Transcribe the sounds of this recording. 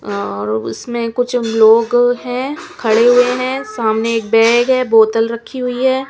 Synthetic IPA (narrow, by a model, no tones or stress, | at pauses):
ɔːɾʊ̰smẽkʊt͡ʃʰloːɡɦɛ̃ːkʰɐɽeɦʊeɦɛ̃ːsaːmneeːk̚bɛːɡɦɛːboːt̪əlɾɐkʰːiɦʊiɦɛː